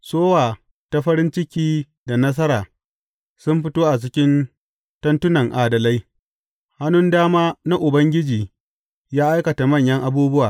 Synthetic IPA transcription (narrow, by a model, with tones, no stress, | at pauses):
soː˦waː˨ | ta˦ɸɐ˦ɾɪ˦nt͡ʃɪ˦kʲiː˦ | da˨nɐ˦s̬ɐ˦ɾaː˨ | sʊ˦mɸɪ˦toː˦ʔa˨t͡ʃɪ˦kʲɪ˦n | tɐ˦ntʊ˦nɐ˨ŋʔaː˨dɐ˨la˦j | ha˦nʊ˦ndaː˦maː˦na˦ʔʊ˨bɐ˦ŋɡʲɪ˦d͡ʒiː˨ | jaː˦ʔa˦jkɐ˨ta˨mɐ˦˨ɲjɐ˦ŋʔa˨buː˦bʊ˦waː˨